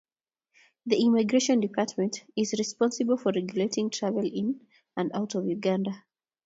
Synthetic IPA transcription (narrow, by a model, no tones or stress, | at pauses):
ðiimɪɡɹeʃɔ̃ndɪpʰaˑtmɛ̃ntɪzɹispɔ̃nsɨbəlˠfɔɹɛɡjuletɪ̃ŋtʰɹ̥avəlɪ̃n | ə̃ndaʊtɔvjuɡãnda